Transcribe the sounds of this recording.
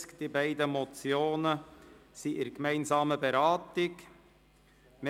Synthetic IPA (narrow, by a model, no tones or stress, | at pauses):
kd̥ibæɪdəmɔt͡sjoːnəsiʔɪɾkmæɪnzɑːməbeɾɑːtɪk | me